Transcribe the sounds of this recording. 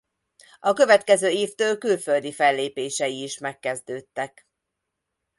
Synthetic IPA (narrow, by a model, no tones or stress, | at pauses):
ɒkø̞vɛt̪kɛzøːeːft̪øːlkylføld̪ifɛlːeːpeːʃɛiːʃmɛkːɛzd̪øːt̪ːɛk